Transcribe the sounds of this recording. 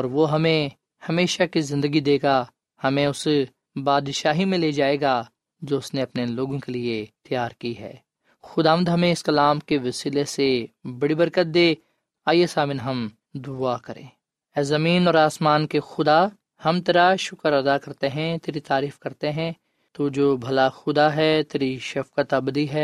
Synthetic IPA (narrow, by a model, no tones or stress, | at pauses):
ɔːɾʋoːɦɐmẽ | hɐmeːʃakizɪ̃nd̪əɡid̪eːɡa | hɐmẽʊs | baːd̪ʃaːɦimẽleːd͡ʒaːeːɡa | d͡ʒoːʊsneɐpneloːɡõkeliet̪ɪjaːɾkiɦɛ̰ː | xʊd̪aːʋə̃nd̪ɦɐmẽɪskɐlaːmkeʋɐsiːlesebɐɽibɐɾkət̪̚d̪eː | aːjesaːmɪnɦɐm | d̪ʊakɐɾḛ̃ː | ɛːzɐmiːnɔːɾaːsmaːnkexʊd̪a | hɐmt̪eːɾaʃʊkəɾɐd̪akɐɾt̪eɦɛ̃t̪eːɾit̪aːɾiːfkɐɾt̪eɦɛ̃ː | t̪od͡ʒoːbʱɐlaxʊd̪aɦɛːt̪eːɾiʃɐfkət̪ɐbd̪iɦɛː